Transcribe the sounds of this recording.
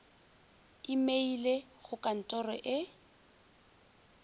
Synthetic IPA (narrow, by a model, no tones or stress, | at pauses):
ɪmeile | χʊkʼan̩tʼɔrɔʔɪ